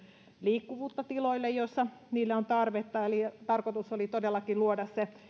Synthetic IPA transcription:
liːkːuʋuːt̪ːɑt̪iloilːejjosːɑniːlːeont̪ɑrʋet̪ːɑelit̪ɑrkot̪usolit̪odelːɑkiluodɑsse

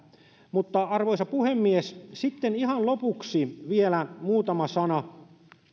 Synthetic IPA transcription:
mut̪ːɑɑrʋoisɑpuhemːiessit̪ːenihɑnlopuksiʋielæmuːt̪ɑmɑsɑnɑ

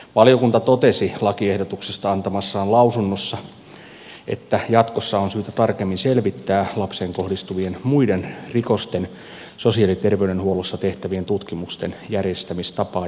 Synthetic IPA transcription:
ʋɑlijokunt̪ɑt̪ot̪e̞silɑkiehdot̪uksest̪ɑɑnt̪ɑmɑsːɑːllɑusunːosːɑ | ʔḛt̪ːæjɑt̪kosːɑonsyːt̪æt̪ɑrkemːinselʋit̪ːæːlɑpseŋko̞hdist̪uʋienmuidenriko̞st̪en | so̞siɑlit̪erʋeydenhuolusːɑt̪e̞ht̪æʋient̪ut̪kimust̪enjærjest̪æmist̪ɑpɑː

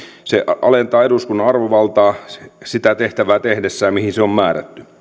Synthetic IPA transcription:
seʔʔɑ̰lent̪ɑːeduskunːɑɑrʋoʋɑlt̪ɑːsit̪æt̪eht̪æʋæːt̪ehdesːæjɑmihinseommæːræ̰t̪ːy

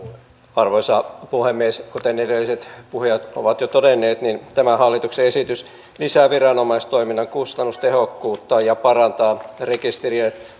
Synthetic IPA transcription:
ɑrʋoisɑpuhemːieskot̪enedelːiset̪puhjɑt̪o̰ʋɑt̪jot̪odenːeːt̪nint̪æmæhɑlːit̪ukseesit̪ys | lisæʋirɑnomɑist̪oiminːɑŋkust̪ɑnːust̪ehokːuːt̪ːɑjɑpɑrɑnt̪ɑːrekist̪erie

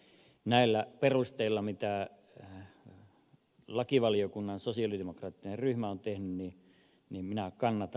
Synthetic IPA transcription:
næilːæperust̪eilːɑmit̪æ | lɑkiʋɑliokunːɑnsosiɑlidemokrɑːt̪ːinerryhmæont̪ehnynniː | nimminækɑnːɑt̪ɑ

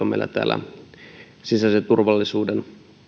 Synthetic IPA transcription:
omḛilːʔæ̰t̪æ̰ːlæ̰ | sisæset̪urʋɑlːisuːden

